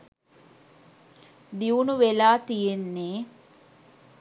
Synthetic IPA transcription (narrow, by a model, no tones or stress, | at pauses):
d̪iʋunuʋelaːt̪ijenːeː